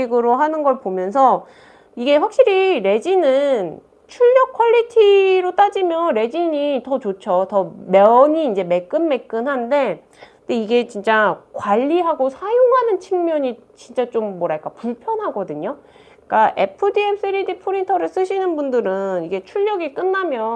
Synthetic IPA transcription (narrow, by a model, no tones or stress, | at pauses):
iɡɯɾoɦanɯnɡʌɭpomjʌns̬ʰʌ | iɡe̞ɸwak̚ɕ͈iɾiɾe̞d͡ʑinɯn | t͡ɕʰuʎːʌkʰʌʎːitʰiɾot͈ad͡ʑimjʌnɾe̞d͡ʑiɲitʌt͡ɕot͡ɕʰʌtʌmjʌɲiːnd͡ʑe̞me̞k͈ɯnme̞k͈ɯnɦande̞ | ndeiɡe̞t͡ɕint͡ɕ͈akwaʎːiɦaɡosʰajoŋɦanɯnt͡ɕʰiŋmjʌɲi | t͡ɕint͡ɕ͈at͡ɕomːwʌɾak͈apuɭpʰjʌnɦaɡʌdɯɲo | k͈aʔe̞̰pʰɯdieps͈ɯɾidipʰoɾintʰʌɾɯɭs͈ɯɕʰinɯnbundɯɾɯniɡe̞t͡ɕʰuʎːʌɡik͈ɯnːamjʌ